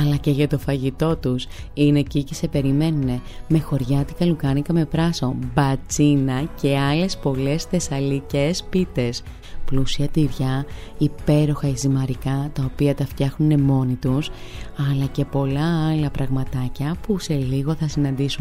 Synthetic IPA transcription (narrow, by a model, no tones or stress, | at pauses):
ɐlɐce̞ʝɐt̪o̞fɐʝit̪o̞t̪usine̞cicese̞pe̞ɾime̞nune̞ | me̞xo̞ɾʝɐt̪ikɐlukɐnikɐme̞pɾɐso̞mbɐt͡sinɐce̞ɐle̞spo̞le̞sθe̞sɐlicespit̪e̞s | plusiɐt̪iɾʝɐ | ipe̞ɾo̞xɐizimɐɾikɐt̪ɐo̞piɐt̪ɐft̪çɐxnune̞mo̞nit̪us | ɐlɐce̞po̞lɐɐlɐpɾɐɣmɐt̪ɐcɐpuse̞liɣo̞θɐsinɐnd̪isun